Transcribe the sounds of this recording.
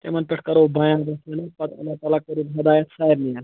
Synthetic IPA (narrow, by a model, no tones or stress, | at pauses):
t̪ḛmɐnpeʈʰkɐɾobɐːjãːnbɐsɐnɐpɐt̪ɐ̰lːaːt̪aːlakɐɾibɦɐd̪aːjɐt̪saːiɾnijan